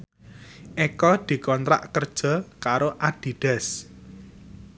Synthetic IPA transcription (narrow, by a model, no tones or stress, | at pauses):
ʔekɔd̪̥i̤kɔnt̪ɾa̰ʔkərd̥ʒ̥ɔ̤kaɾoʔaɖ̥i̤ɖ̥ɛ̤s